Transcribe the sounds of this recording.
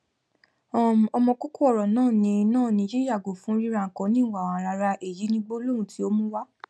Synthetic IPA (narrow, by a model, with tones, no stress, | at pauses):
ɔ˨m˨ɔ˧mɔ̃˧ko˦ko˦ɔ˦˨ɾɔ˨nãː˦˨nĩ˧nãː˦˨naĩ˧˨d͡ʒe˦ɾi˦a˦˨ɡo˨fũ˨˦ɾi˦ɾã˧˨kɔ̃˨˦nĩ˦˨wa˨wã˨˦ɾa˧ɾa˧ʔe˨ji˨˦nĩ˦ɡ͡bo˦o˦lo˦ɾũ˨ti˨˦o˦mũ˦wa˦